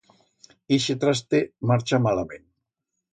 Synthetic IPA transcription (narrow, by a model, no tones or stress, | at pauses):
iʃet̪ɾast̪emaɾt͡ʃamalamẽn